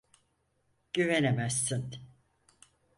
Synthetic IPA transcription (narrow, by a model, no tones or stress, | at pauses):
ɟ̥yvenemæsːin